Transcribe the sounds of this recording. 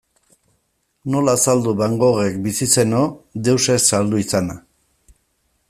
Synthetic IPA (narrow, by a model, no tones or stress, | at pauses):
no̞laːsald̪uβaŋɡo̞ɣe̞kbisise̞no̞d̪e̞wse̞sːald̪uisana